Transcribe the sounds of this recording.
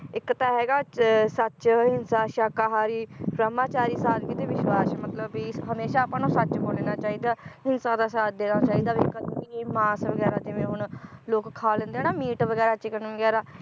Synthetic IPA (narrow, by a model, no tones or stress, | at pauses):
ɪkːt̪aːɦɛːɡaːsət͡ʃɦɪnsaːʃaːkaːɦaːɾiːbɾəmaːt͡ʃaːɾiːsaːɾɡit̪eːʋɪʃwaːsmət̪ləbiːɦəmeːʃaːpãːnũːsətːt͡ʃboːleːnaːt͡ʃaːiːd̪aːɦɪnsãːd̪aːsaːd̪eːnãːt͡ʃaːiːd̪aːbːk̪ːiiːmaːsʋəɡɛːɾaːd͡ʒɪʋẽːɦʊɳloːkkʰːaːlə̃nd̪eaːnaːmiːʈʋəɡɛːɾaːt͡ʃɪkənːʋəɡɛːɾaː